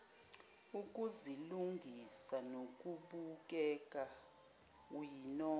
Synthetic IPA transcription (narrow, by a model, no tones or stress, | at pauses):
uk̬ʼuziluŋɡʱisanok̬ʼuɓuk̬ʼɛk̬ʼa | winɔː